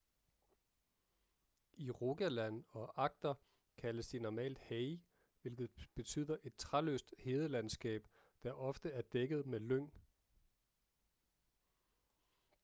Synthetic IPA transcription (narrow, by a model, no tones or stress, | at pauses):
iʁo̝ɡ̥ælænɒ̽ʔɑ̈ɡ̥̚d̥ɐ | kʰæləsd̥inɒmɛ̰ːld̥heɪ | ʋe̝lɡ̥ð̩ˠb̥e̝t͡sʰy̰ːð̰ˠɐʔe̝d̥̚t͡sʰʁalø̰ːsd̥he̝ːðˠlænsɡ̥ɛ̰ːb̥ | d̥æʔɒ̽fd̥əæɐd̥eɡ̥ð̞̩ˠmeløŋ̰